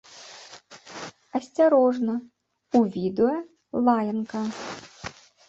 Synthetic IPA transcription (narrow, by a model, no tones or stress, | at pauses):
ɐsʲt͡sʲɐɾɔʐnɐ | uʋʲid̪ʊjɐ | lˠɑjɐnkɐ